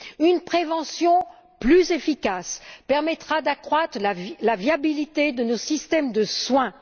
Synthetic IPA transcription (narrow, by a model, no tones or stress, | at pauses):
ynpχevɑ̃sjɔ̃ | plyzefikaspɛʁmɛt̪χad̪akχwat̪χalavjabilit̪ed̪ənosist̪ɛmd̪əswɛ̃